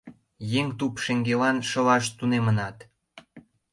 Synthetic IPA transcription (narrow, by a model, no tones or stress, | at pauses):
jeŋt̪upʃeŋɡelɑnʃə̆lɑʃt̪unemənɑt̪